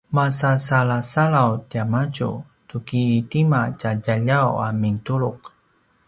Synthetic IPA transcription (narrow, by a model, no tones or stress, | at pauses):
masasalasaɭawtiamat͡ʃṵ | tukiːtimat͡ʃaɟaʎawa̰miŋtuɾuk̚